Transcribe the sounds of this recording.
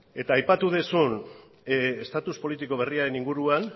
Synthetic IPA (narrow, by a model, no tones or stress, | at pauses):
e̞t̪aːjpat̪uðesun | est̪at̪uspo̞lit̪iko̞β̞e̞riaɾe̞niŋɡuɾuan